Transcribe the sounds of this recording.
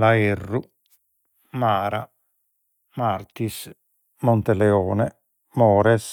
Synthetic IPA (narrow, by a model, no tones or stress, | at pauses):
laerːu | maːɾa | maɾt̪is | mont̪elɛɔːnɛ | mɔːɾɛs